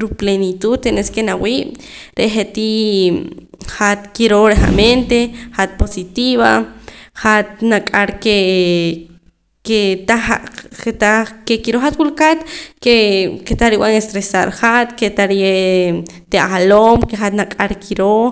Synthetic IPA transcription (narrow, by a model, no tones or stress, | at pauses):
ɾuplenit̪ud̪t̪eneskenawiːʔ | ɾeʔχet̪i | hat̪kiɾoɾeha̰ment̪eχat̪̚posit̪iβaχat̪̚nakʼaɾke | ket̪aaet̪akekiɾoχat̪̚wulkat̪keket̪aɾiwaŋest̪ɾesaɾχat̪ket̪aɾie | t̪ealomkeχat̪nakʼaɾkʰiɾo